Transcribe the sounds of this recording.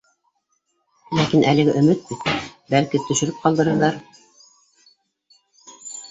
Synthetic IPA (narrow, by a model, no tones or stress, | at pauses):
lækinʔælɘ̆ɡɘʔɵ̆mɘt̪̚bit̪bælkit̪ɵ̆ʃɘ̆ɾɘp̚qɑlˠd̪ɤ̆ɾɤ̆ðɑɾ